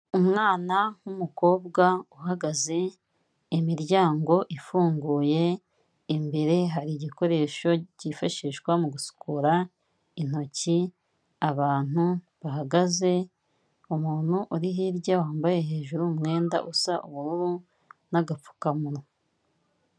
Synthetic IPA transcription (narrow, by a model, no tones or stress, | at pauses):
umŋaːnaumuko̞ːbɡauɦaɡaze̞ | imiɾɟaːŋɡo̞ʔifuːŋɡuːje̞ | imbe̞ɾe̞ɦaɾiɟiko̞ɾe̞ːʃo̞ɟifaʃiʃkwamuɡusu̥kʰuɾa | in̥o̞ci | aβaːn̥u | βaɦaɡaze̞ | umuːn̥huʔuɾiɦiɾɟawaːmbaje̞ɦe̞ːʒuɾumŋe̞ːnda̰ʔusaʔuβuɾuɾu | naɡap͡fu̥kamuɾo